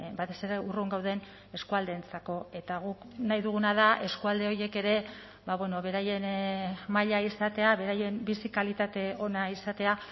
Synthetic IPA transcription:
bat̪e̞se̞ɾe̞uruŋɡawðe̞n | e̞skuald̪e̞ːnt͡sako̞e̞t̪aɣ̞uk | najðuɣ̞unað̞aʔe̞skuald̪e̞o̞ɾje̞ke̞ɾe̞ | baβwe̞no̞βe̞ɾaje̞nmaʎaisat̪e̞aβe̞ɾaje̞mbisikalit̪at̪e̞o̞naisat̪e̞a

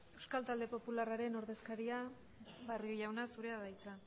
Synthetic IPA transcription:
e̞wskalt̪ald̪e̞po̞pularaɾe̞no̞ɾðe̞skaɾia | βariojawnasuɾe̞aðajt͡sa

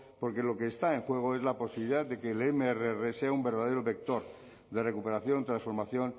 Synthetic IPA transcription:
po̞ɾkelo̞ke̞ːst̪ae̞ŋxwe̞ɣ̞oe̞zlapo̞siβliðaðd̪e̞keːlemeereereseaumbe̞ɾðað̞eɾoβe̞k̚t̪o̞ɾ | d̪e̞re̞kupeɾaθjo̞nt̪ɾansfo̞ɾmaθjo̞n

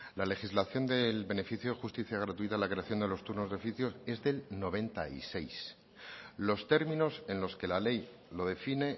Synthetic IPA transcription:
lale̞xizlaθjo̞nd̪e̞lβe̞ne̞fiθjoexust̪iθjaɣ̞ɾat̪uit̪alakɾe̞aθjo̞nd̪elo̞st̪uɾno̞zðo̞fiθjo̞se̞zðe̞lno̞β̞e̞nt̪aḭse̞js | lo̞st̪e̞ɾmĩno̞se̞nlo̞ske̞lale̞jlo̞ðe̞fine̞

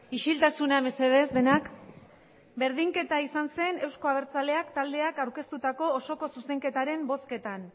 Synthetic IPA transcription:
iʃilt̪asunaeme̞se̞ðe̞zd̪e̞nak | be̞ɾð̞iŋke̞t̪aisanse̞ne̞wsko̞aβ̞e̞ɾt͡sale̞akt̪ald̪e̞akawɾke̞st̪ut̪ako̞ːso̞ko̞suse̞ŋke̞t̪aɾe̞mbo̞ske̞t̪an

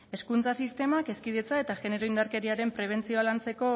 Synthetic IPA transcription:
e̞skunt͡sasist̪e̞make̞skiðe̞t͡sae̞t̪aʝe̞ne̞ɾo̞ind̪aɾke̞ɾiaɾe̞mpɾe̞β̞e̞nt͡sio̞alant͡se̞ko̞

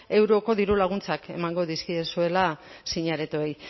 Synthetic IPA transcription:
e̞wɾoko̞ðiɾulaɣ̞unt͡sake̞̰maŋɡo̞ðiskiesue̞lasiɲaɾet̪uej

